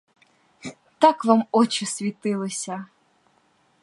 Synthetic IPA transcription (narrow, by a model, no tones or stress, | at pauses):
t̪akʋamɔt͡ʃɪsʲʋʲit̪ɪlˠɪsʲɐ